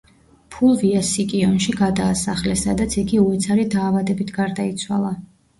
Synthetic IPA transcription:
pʰulˠviasikʼiɔnʃiɡad̪aːsaχlɛsad̪at̪sʰiɡiuɛt̪sʰaɾid̪aːvad̪ɛbit̪ʰɡaɾd̪ait̪sʰwa̰lˠa

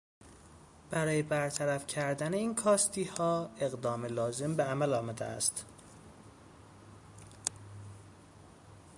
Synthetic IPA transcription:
b̥æɾɒːjebæɾt̪ʰæɾæfcʰæɾd̪æneiːnkʰɒːst̪iːhɒːe̞ɣd̪ɒːmelɒːze̞mbeæmælɒːmæd̪ḛæ̰st̪

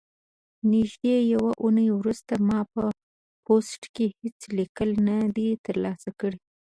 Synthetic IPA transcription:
nɪʒd̪ejawaʔunəjwɾust̪amɑpə | posʈkehet͡slikəlnad̪et̪əɾlɑsakəɽi

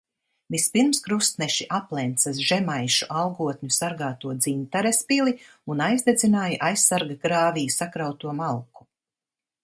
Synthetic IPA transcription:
vispiɾmskɾust̪nɛʃiʔaplˠɛnt̪sasʒɛmajʃuʔalˠɡuɔt̪ɲusaɾɡaːt̪uɔd̪zint̪aɾespilˠi | unajzd̪ezinaːjaʔajsːaɾɡaɡɾaːvijsakɾawt̪uɔmalˠku̥

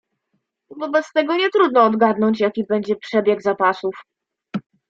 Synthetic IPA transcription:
vɔbɛt̪st̪ɛɡɔɲɛt̪ɾud̪nɔːd̪ɡad̪nɔɲt͡ɕjakʲibɛɲd͡ʑɛpʂɛbʲjɛɡzapasuf

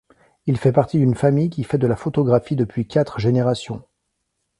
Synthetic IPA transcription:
ilfɛpaʁt̪id̪ynfamijkʲifɛd̪əlafot̪ɔɡʁafid̪əpɥikʲat̪χʒeneʁasjɔ̃

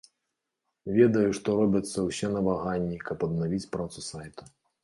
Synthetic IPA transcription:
vʲɛd̪ɐjuʂt̪ɔɾɔbʲɐt̪sːɐwsʲɛnɐvaɣanʲːikɐpɐd̪̚navʲit͡sʲpɾat̪susajt̪u̥

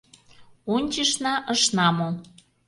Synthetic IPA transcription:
onʲt͡ɕəʃnɑʔəʃnɑmo

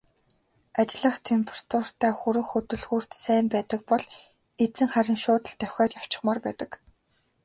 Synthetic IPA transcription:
at͡ɕɪ̆ɮə̆χt̪ʰempʰrt̪ʰʊr̥t̪ʰæːxuɾɵ̆xɵt̪ɵ̆ɮɣuːr̥t̪sæːmpæːt̪ə̆k̚pɔɮ | et͡sɘ̆ŋχæɾʲɪ̆ŋʃʊːt̪ə̆ɬt̪æw̥ʲxʲæːrjaw̥t͡ɕɪ̆χmaːrpæːt̪ə̆k

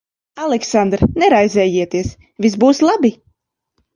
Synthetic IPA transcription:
alˠɛksand̪ɾnɛɾajzɛːjiɛt̪iɛs | vʲisbuːslˠabi

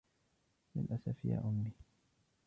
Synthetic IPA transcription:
mɪnʔasafja̰ːʔʊmːiː

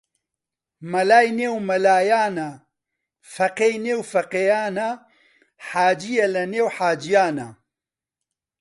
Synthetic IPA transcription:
mɐlaːjneːwmɐlaːjaːnɐ | fɐqeːjneːwfɐqeːjaːnɐ | ħaːd͡ʒijɐlɐneːwħaːd͡ʒijaːnɐ

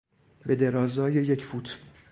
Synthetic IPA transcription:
be̞d̪e̞ɾɒːzɒːje̞jecʰfuːt̪ʰ

